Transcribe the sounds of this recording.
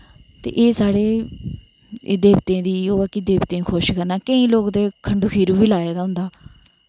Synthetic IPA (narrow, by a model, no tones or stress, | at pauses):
t̪ḛːʔeːsaːɽeː | d̪eːbt̪ẽːd̪iːoːaːkiːd̪eːbt̪ẽːkʰoːʃkəɾnaːkəĩːloːkd̪eːkʰəɳɖuːkʰiːɾuːbiːlaːaːd̪aːɦʊ̃nd̪aː